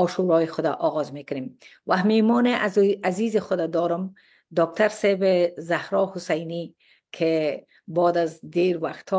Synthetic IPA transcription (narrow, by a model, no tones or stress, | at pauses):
ɒʃuɾɔjɪxʊd̪a̰ʔɔɣɔzmekʊnem | wʔamemɔnɪʔaazizɪxʊd̪ad̪ɔɾʊm | d̪ɔːk̚t̪ʰaɾsɛbezahɾɔhʊsajni | kʰɪ | bɔːd̪azd̪eɾwaxt̪ʰɔ